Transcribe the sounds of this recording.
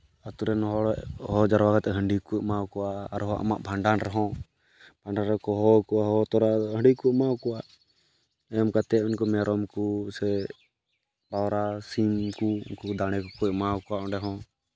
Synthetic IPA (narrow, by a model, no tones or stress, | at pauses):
at̪uɾɛnɔɦɔɔʔɦɔd͡ʒaɾwakat̪ɛɦəɳɖikuɛʔmawkɔwaːɾɦɔaʔa̰ma̰ʔbʱaɳɖanɾɛɦɔ̃ | b̥ʱaɳɖanɾɛkɔɦɔkɔaɦɔt̪ɔɾaɦəɳɖikuʔmawkɔwa | ɛjmkat̪ɛɔnkɔmɛɾɔmkusɛ | bawɾasimkunkud̪aɽ̃ɛkɔkuɛʔmawkɔaʔɔɖɛɦɔ̃